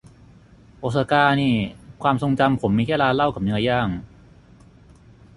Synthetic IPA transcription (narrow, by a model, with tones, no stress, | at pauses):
ʔo˨˩t̪̚sa˧kaː˧niː˥˩kʰwaː˧mso˧ŋt͡ɕa˧mpʰo˩˦mːiː˧˩kʰɛː˥˩laː˧la˥˩wkaː˨˩p̚nɯ˦˥ɐjaː˥˩ŋ